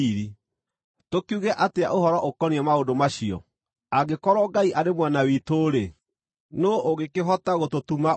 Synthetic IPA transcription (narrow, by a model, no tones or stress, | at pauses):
ɾi | tokuɣɛʔatea̰ʔoɦɔɾɔʔokɔniɛmaondomaʃiɔ̰ | aɡekɔɾɔɡaiʔaɾemwanawitoɾe | noʔoɣekeɦɔtaɣototuma